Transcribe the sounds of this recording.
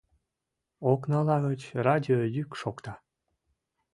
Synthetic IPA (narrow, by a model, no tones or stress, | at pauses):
oknɑlɑɣət͡ɕrɑdʲiojykʃokt̪ɑ